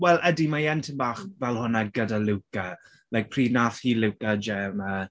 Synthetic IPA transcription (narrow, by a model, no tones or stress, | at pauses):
wɛlˠədimajɛntʰənbaːχvɛlˠhʊnaɡədalɪwka | lajk̚pʰr̥iːnaːθhiːlɪwkad͡ʒɛmə